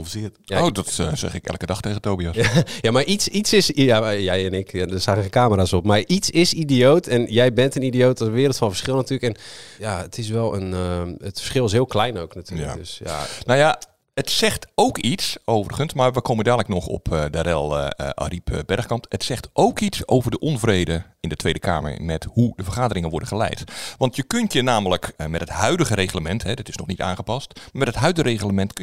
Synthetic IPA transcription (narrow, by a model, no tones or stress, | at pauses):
əsɪətoːdɔtsɛ̰xɪkɛ̰lˠkədɑxtejɣətoːbiɔsjamaɹʔitsitsɪsjajɛjɛnɪkadərsaːxəxekaːməɾasopmaritsɪsidijoːtʰɛnjɛjbɛntənidijoːtɔsəʋɪərətfɔnfərsxɪlˠnatyːləkɛnjaətʰɪs̬ʋɛlˠənətfə̥ɹsxɪlˠɪs̬ɦɪəlˠklɛjnowknatʰy̰ːədøsja̰noja | ətsɛxtowkisowvərɣənsmaɹʋəkʰowməndaːdləknɔxɔ̰pʰdəɾɛlˠʔa̰ripʰbɛrxkɑntətsɛxtʔowkitsowvərdəʔɔnvrejdə | ɪndətʰʋejdəkʰa̰ːmə̰ɹmɛthudəvərχaːdəɾɪŋənʋɔɹdəχəlɛ̰jtʋɑntʰjəkøntjənaːmələkmɛtəthœɥdəɣəɾejɣələmɛntɦɛdɔtɪ̥snɔχnita̰ːnχəpɑstmamɛtətɦœɥdəreɣələmɛntk